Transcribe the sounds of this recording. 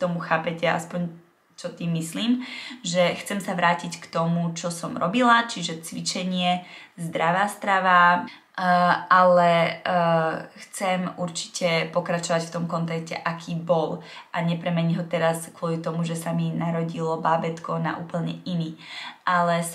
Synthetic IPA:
t̪ɔmuxaːpɛcɛa̰spɔɲ | t͡ʃɔt̪imisliːmʒɛxt͡sɛmsaʋɾʔaːcickt̪ɔmut͡ʃɔsɔmɾɔbilat͡ʃiʒɛt͡sʋit͡ʃɛɲɪɛzd̪ɾaʋaːst̪ɾaʋa | ʔalɛ | xt͡sɛmuɾt͡ʃi̥cɛpɔkɾat͡ʃɔʋacft̪ɔmkɔnt̪ɛkcɛʔakʰiːbɔlʔaɲɛpɾɛmɛɲiɦɔt̪ɛɾaskwʊɔlit̪ɔmuʒɛsaminaɾɔɟilɔbaːbɛt̪kɔna̰ʔuːpl̩ɲɛiniʔalɛ

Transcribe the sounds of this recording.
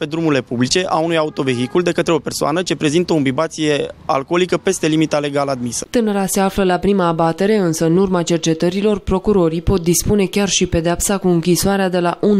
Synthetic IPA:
pe̞d̪ɾumuɾile̞publit͡ʃe̞ʔaunujaut̪o̞ve̞ɦikuld̪e̞kət̪ɾeo̞pe̞rsoa̰nət͡ʃe̞pɾe̞zint̪əombibat̪sije̞a̰lko̞likəpe̞st̪e̞limit̪ale̞ɡalad̪misə̥t̪ɨnəɾase̞afləlapɾimaːbat̪e̞ɾe̞ɨnsəɨnurmat͡ʃe̞rt͡ʃe̞t̪əɾilo̞rpɾo̞kuɾo̞ɾipo̞t̪̚d̪ispune̞kʲarʃipe̞d̪eapsakuɨŋkʲisoaɾead̪e̞laʔun

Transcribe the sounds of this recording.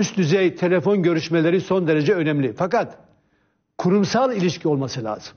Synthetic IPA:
ysd̪yzɛjt̪ʰe̞lʲefo̞nɟø̞ɾyʃmelʲe̞ɾiso̞nd̪e̞ɾe̞d͡ʒɛø̞nɛmlʲifakat̪ | kʰuɾumsalˠilʲiʃcʰio̞lˠmasɯlʲa̰ːz̥ɯm

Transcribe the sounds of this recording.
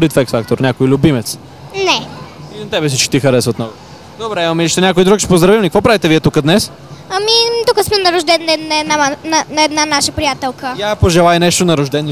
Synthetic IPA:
ɾit̪fɛksfak̚t̪oɾnʲakoilʲʊbimɛt̪s | nɛinɐt̪ɛbɛs̬it͡ʃki̥t̪ixɐɾɛsəot̪nɔɡo | d̪obɾɛimɐmiliʃt̪ɛnʲakojid̪ɾukt͡ʃɛ̥pozd̪ɾɐvimlʲikəkvɔpɾavit̪ɛviɛt̪ukəd̪nɛs | ɐmit̪ukəsmɛnɐɾʊʒd̪ɛnnɛnɛd̪nanɐnɐɛd̪nanaʃəpɾijat̪ɛlˠkəapoʒɛlˠajnɛʃt̪onɐɾʊʒd̪ɛn

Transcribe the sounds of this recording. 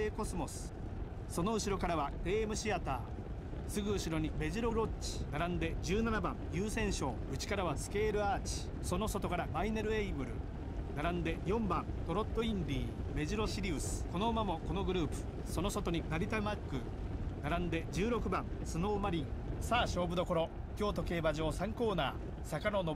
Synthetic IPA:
eːko̞sɨmo̞sɨ̥ | so̞no̞ɯ̟ɕiɾo̞kaɾaβaɡe̞ːmɯ̟ɕiat̪a̰ː | sɨɡɯ̟ɯ̟ɕiɾo̞ɲ̟ime̞ʑiɾo̞ɾo̞t͡ɕːi̥naɾãnd̪e̞d͡ʑɨːnanabã̰ŋjɯːsẽ̞ɰ̃ɕo̞ːɯ̟t͡ɕi̥kaɾaβ̞asɨ̥ke̞ːɾɯ̟aːt͡ɕi̥ | so̞no̞so̞t̪o̞kaɾamaineɾɯ̟eibɯ̟ɾɯ̟̰ | naɾãnd̪e̞jõ̞mbãnt̪o̞ɾo̞t̪ːo̞ĩnd̪ʲiːme̞ʑiɾo̞ɕiɾʲiːsɨ̥ko̞no̞ɯmamo̞ko̞no̞ɡɯ̟ɾɯ̟ːpɯ̟̥ | so̞noso̞t̪o̞ɲ̟ibaɾʲit̪amakːɯ̟ | naɾãnd̪e̞d͡ʑɨːɾo̞kɯ̟bãnsɨno̞ːmaɾʲĩŋsaːɕo̞ːbɯ̟d̪o̞ko̞ɾo̞ | kʲo̞ːt̪o̞ke̞ːbaʑo̞ːsãŋko̞ːna̰ː | sakano̞no

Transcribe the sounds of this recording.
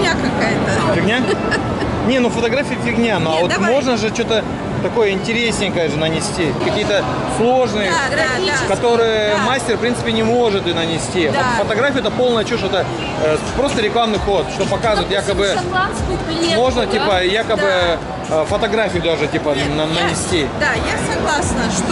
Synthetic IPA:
aɐkajt̪əfʲɪɡnʲa | nʲe̞nufət̪ɐɡɾafʲijəfʲɪɡnʲanɐavo̞t̪mo̞ʐnəʐɨt͡ɕo̞t̪ə | t̪ɐko̞jəɪnʲtʲɪɾʲesʲnʲɪjkajʐɨnənʲɪsʲtʲikɐkʲijət̪ə | slˠo̞ʐnɨjə | kɐt̪o̞ɾɨjəmasʲtʲɪrpɾʲint̪sɨ̥pʲɪnʲɪmo̞ʐɨt̪ɨnənʲɪsʲtʲivot̪fət̪ɐɡɾafʲjʊɛt̪əpo̞lˠnəjət͡ɕuʂɛt̪ə | pɾo̞st̪əɾʲɪklˠamnɨjko̞t̪ʂt̪opɐkazɨt̪jakəbɨ | mo̞ʐnətʲipəjakəbɨ | fət̪ɐɡɾafʲijʊd̪aʐɨtʲipənnənʲɪsʲtʲijaɐɡˠas

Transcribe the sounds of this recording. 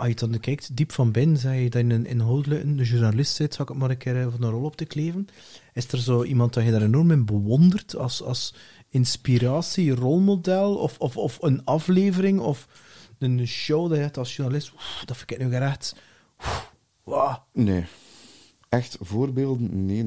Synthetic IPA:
ɑjədɑnkɛk̚tdipfɑnbɪnzɛjədaənənɪ̰nɦolˠdələkənəʒurnalɪstsɪtsɑkətmaːɾənkɪːɾəvɑnərɔlˠɔp̚təkleːvən | ɪstərzoːʔimɑnt̚dajədaːɾenɔrmɪnbəwɔndərtʰɑ̰lsɑ̰ls | ɪnspiɾaːsirɔlˠmodɛlˠɔ̰fɔfɔfənɑfleːvəɾɪŋɔf | ənʃowdɑjəɛtɑlˠsʒurnalɪstud̥ɑfɪkɪknoɡəɾɛxt | u | waːnḛː | ɛxtvoːrbeːlˠdənneː

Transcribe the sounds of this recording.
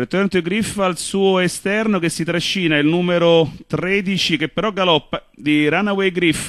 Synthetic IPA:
et̪ːoɛnt̪oiɡɾifalsuːoest̪ɛrnokesːit̪ɾaʃːiːnailnuːmeɾot̪ɾɛd̪it͡ʃik̟epːeɾɔɡalɔpːa | d̪iɾanawejɡɾif

